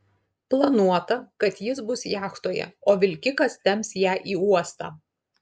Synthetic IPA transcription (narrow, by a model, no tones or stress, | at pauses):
plˠɐnuɔt̪ɐkɐt̪jɪsbʊsjæːxt̪oːjɛ̰oːʋʲɪlʲkʲɪkɐst̪ʲɛmʲsʲjæːʔiːuɔst̪ɑ̰ː